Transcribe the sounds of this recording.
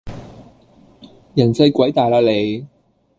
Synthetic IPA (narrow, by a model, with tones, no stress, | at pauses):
jɐ˨˩nsɐ˧jkʷɐ˨˥jt̪aː˨jlaː˧le˨˧j